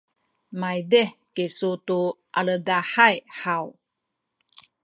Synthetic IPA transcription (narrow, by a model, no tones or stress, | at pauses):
majdekesutuʔalədaħajħaw